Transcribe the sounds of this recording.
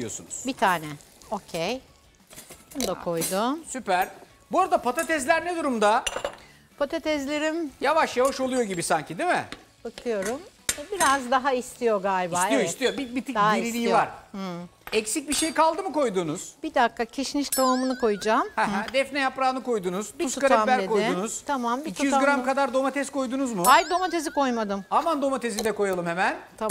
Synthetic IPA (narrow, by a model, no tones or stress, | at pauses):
ijosunuz̥bit̪ʰaːnɛo̞cʰej | onud̪akʰo̞jd̪usypæɾ̥ | buoɾad̪apʰat̪ʰat̪ɛzlʲæɾnɛd̪uɾumd̪a | pʰat̪ʰat̪ʰɛzlʲe̞ɾimjavaʃjavaʃo̞lˠujo̞ɟibisaɲcid̪imɪ̰ | bɯk̪ʰˠɯjo̞ɾum | biɾazd̪aɦaist̪ʰijo̞ɡaːlʲibisaːijo̞ist̪ʰijobibit̪ʰid̪aɦaiɾilʲiːivaɾ̩ | ɛcsic̚biʃejkalˠd̪ɯmɯko̞jd̪unuz̥b̥id̪akːacʰeʃniʃt̪ʰoumunɯkʰo̞jud͡ʒaːmhɛɦɛd̪ɛfnɛjapɾaːnɯko̞jd̪unuz̥biuukʰaɾeamæɾekojɪunuz̥t̪ʰamambiitcʰuijyzaɡɾamkad̪aɾd̪o̞mat̪ʰɛsko̞jd̪unuzmuajd̪o̞mat̪ʰeziko̞jmad̪ɯmamand̪o̞mat̪ʰe̞zid̪ɛko̞jalˠɯmhemænt̪ʰa